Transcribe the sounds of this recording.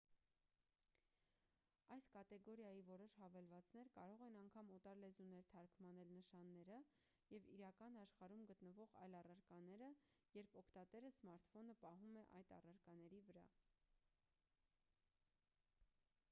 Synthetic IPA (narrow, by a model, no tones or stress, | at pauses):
ɑjskɑt̪ɛɡɔɾjɑjivɔɾɔʃhɑvɛlvɑt͡sn̪ɛɾkɑɾɔʁɛnɑŋkʰɑmɔt̪ɑɾlɛzunɛɾt̪ʰɑɾkmɑnɛlnəʃɑnːɛɾə | jɛviɾɑkɑnɑʃχɑɾumɡət̪nəvɔʁɑ̰jlɑrɑɾkɑnɛɾəjɛɾpʰɔkʰt̪ɑt̪ɛɾəsmɑɾt̪ʰfɔnəpɑɦumɛʔɑ̰jt̪ɑ̰rɑɾkɑnɛɾivəɾɑ̰